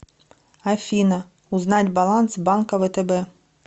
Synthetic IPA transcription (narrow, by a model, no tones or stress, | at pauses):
ɐfʲinɐ | ʊznɑtʲbɐlˠɑnsbɑnkɐʋɛt̪ebɛ